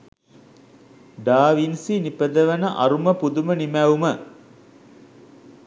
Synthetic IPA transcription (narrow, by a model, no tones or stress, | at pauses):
ɖaːʋinsinipəd̪əʋənəʔɐɾuməpud̪umənimæumə